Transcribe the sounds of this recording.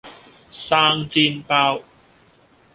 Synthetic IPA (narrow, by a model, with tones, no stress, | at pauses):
saː˧ŋt͡siː˧npaː˧w